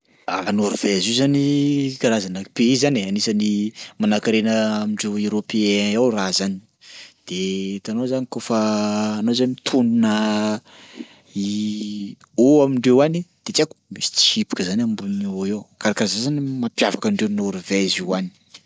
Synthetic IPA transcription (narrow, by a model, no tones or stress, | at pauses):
anoɾvɛzizanikaɾazanəpeizaneanisanimanakiɾenəːmiɳɖ͡ʐeweɾopeeawrazani̥ | d̪̥et̪anozanikofaːnozanimit̪ʰununə | i | oamiɳɖ͡ʐewanid̪̥et͡saku̥misi̥t͡si̥hipi̥kəzanambunewkaɾakazazanimapjavakaɳɖ͡ʐewnoɾvɛziwani̥